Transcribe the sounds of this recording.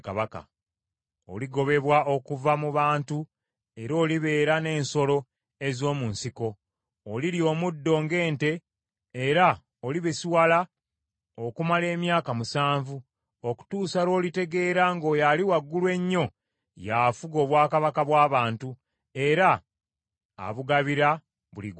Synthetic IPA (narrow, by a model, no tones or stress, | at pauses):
kaβaka̰ | o̰liɡo̞βe̞βwaʔo̞kuvamuβaːntu | e̞ɾo̞ːliβe̞ːɾane̞ːnso̞lo̞ | e̞zo̞ːmunsiko̞ː | liljo̞ːmudːo̞ŋɡe̞ːnte̞ː | ɾa | oliβesiwala | okumale̞ːmjaːkamusaːɱvu | oku̥tuːsaɾo̞ːlite̞ɡe̞ːɾaŋɡo̞jaliwaɡːulwe̞ɲːo̞ | jafuɡo̞ːβwaːkaβakaβwaːβaːntu | e̞ɾaː | βuɡaβiɾa | βuliɡ